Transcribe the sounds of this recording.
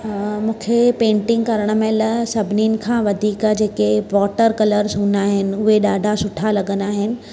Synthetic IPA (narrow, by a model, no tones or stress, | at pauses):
mũːkʰepẽːɳʈɪ̃ŋɡkɐɾəɽ̃ə̆mẽlɐsɐbʱniːnɪ̆kʰãːʋɐd̪ʱiːkd͡ʑeːkeʋɔːʈəɾkɐləɾzɦũːnd̪aːɦɪnɪ̆ʊɦeɗaːɖʱasʊʈʰalɐɠə̃nd̪aːɦɪnɪ̆